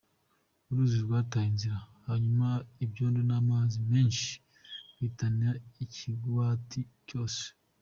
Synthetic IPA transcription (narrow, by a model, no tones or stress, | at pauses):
uɾuziɾɡwaːtaːiɲziɾahaɲumaibɟoːndonaːmaːzime̞ːnʃi̥ | witaniɾaicʰiɡwaːtʰico̞ːse̥